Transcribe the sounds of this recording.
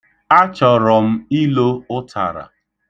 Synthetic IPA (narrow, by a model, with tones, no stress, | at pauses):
a˦t͡ʃɔ˨ɾɔ˨m̩˦i˦lo˦ʊ˦tʰa̰˨ɾa̰˨